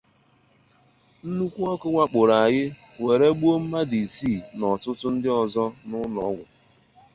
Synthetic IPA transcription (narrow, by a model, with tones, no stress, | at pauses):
n̩˦nu˦kʷu˦ɔ˦kʊ˦ŋʷa˦k͡pʊ˨ɾa˨a˨ɣɪ˦ | we˨ɾe˦ɡ͡bu˦o˦m̩˦ma˦di˨siː˦˨nɔ˨tʊ˦tʊ˦n̩˦dɪ˦ɔ˨zɔ˦nʊ˦nɔ˦ɡʷʊ˨